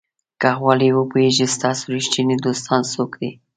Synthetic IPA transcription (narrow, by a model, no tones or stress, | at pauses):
kaɣwɑliwəpeʒist̪ɑsoɾɪʃt̪inid̪ost̪ɑnsokd̪i